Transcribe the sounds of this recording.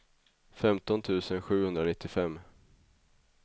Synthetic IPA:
fɛmt̪ɔnt̪ʰʉ̟ːsənɧʉ̟ːhɵnd̪ɾanɪt̪ʰːɪfɛmː

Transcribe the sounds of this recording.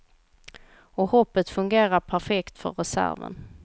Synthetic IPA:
ɔhɔpːət̪fɵŋɡeːɾaɾpʰæɾfɛkt̪fœ̰ɾɛsæ̰ɾvə̰n

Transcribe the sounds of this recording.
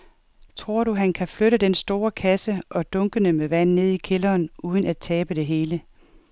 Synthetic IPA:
t͡sʰʁo̝ɐ̰ɾuɦænkʰæfløɾəd̥ensd̥o̝ːɐkʰæsəʔɒ̽d̥ɔ̽ŋɡ̥ənəmeʋæn̰ne̝ð̞̰ˠikʰe̝lɐːnuːð̞ˠənæd̥̚t͡sʰɛːb̥əd̥e̝ɦe̝ːlə

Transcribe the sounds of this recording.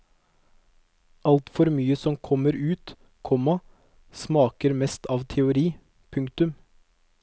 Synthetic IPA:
ʔɑlt̪fɔɾmyːəsɔmkʰɔməɾʉːt̪ | kʰɔmːɑ | smɑːkəɾmɛst̪ʰɑːʋt̪ʰɛʊɾiː | pʰʉŋkt̪ʉm

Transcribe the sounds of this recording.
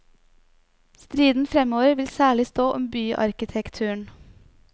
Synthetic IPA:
st̪ɾiːd̪n̩fɾɛmoːʋəɾʋɪlsæːɭɪst̪oːʔɔmbyːʔɑ̰ɾkɪt̪ʰɛkt̪ʰʉːɳ

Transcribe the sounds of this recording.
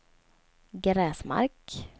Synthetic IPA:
ɡɾɛːsma̰ɾk

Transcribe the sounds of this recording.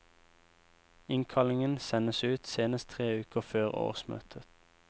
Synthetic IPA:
ɪŋkʰɑlɪŋənsɛnəsʉːt̪seːnəst̪t̪ʰʁeːʉːkəʁføːʁo̰ːʁsmø̰ːt̪ʰət̪

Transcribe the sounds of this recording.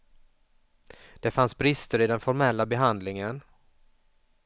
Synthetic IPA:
d̪̥ɛfansbɾɪst̪əɾɪd̪ɛnfɔɾmɛlːabɛɦand̪lɪŋən

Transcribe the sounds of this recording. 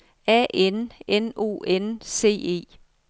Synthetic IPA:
ɛ̰ʔeneno̝̰ːense̝̰ːe̝̰ː

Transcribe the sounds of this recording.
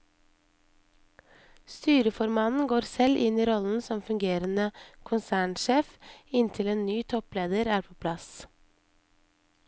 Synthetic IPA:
st̪yːɾəfɔɾmɑːt̪n̩ɡoːɾsɛlʔɪniːɾɔln̩sɔmfʉŋɡeːɾənəkʰʊnsæːɳʃeːfɪnt̪ʰɪleːnnyːt̪ʰɔpleːd̪əɾæːɾpʰoːpʰlɑs

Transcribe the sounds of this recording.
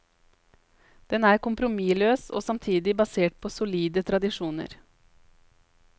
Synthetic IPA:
d̪̥ɛnæːɾkʊmpɾʊmiːløːso̰ːsɑmt̪ʰiːd̪ɪbɑseːʈ̚pʰoːsʊliːd̪ət̪ʰɾɑd̪ɪʂuːnə̰ɾ

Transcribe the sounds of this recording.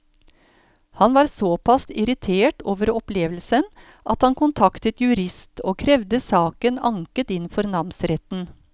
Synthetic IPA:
hɑnʋɑːɾsoːpʰɑsɪɾɪt̪ʰeːʈoːʋəɾɔpleːʋlsən | ʔɑt̪hɑnkʊnt̪ʰɑkt̪ət̪jʉɾɪst̪ʰoːkʰɾɛʋd̪əsɑːkənɑŋkət̪ɪnfɔɾnɑmsɾɛt̪n̩

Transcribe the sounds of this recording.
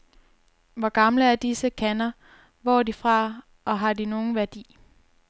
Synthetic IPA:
ʋɒɡ̥ɑ̈mləæɐd̥isəkʰænɐ | ʋɒ̰ːd̥ifʁɑ̈ | ʔɒ̽ɦɑ̈dino̝ːn̩ʋæɐd̥ḭː

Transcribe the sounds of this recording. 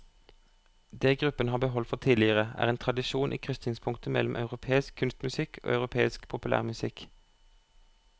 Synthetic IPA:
d̪eːɡʁʉpənhɑːbəɦɔlt̪fɔʁt̪ʰiːdlɪəʁəæ̰ːʁeːnt̪ʁɑd̪ɪʃuːnʔḭːkʰʁʏst̪nɪŋspʰʊŋkt̪əmɛ̰lm̩ʔɑ̰ʉʁʊpʰeːɪskʰːʉnst̪mʉsɪkʰo̰ːɑʉʁʊpʰeːɪskpʰʊpʉlæ̰ːʁmʉsɪk

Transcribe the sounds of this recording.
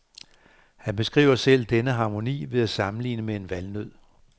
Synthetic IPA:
hænb̥e̝sɡ̥ʁḭːʊɐsel̰d̥enəɦɑ̈ːmo̝nḭːʋe̝ðˠæsɑ̈mn̩lḭːnəmee̝nʋælnøð̰ˠ

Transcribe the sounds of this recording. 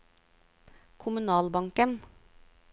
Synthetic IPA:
kʰʊmʉnɑːlbɑŋkən

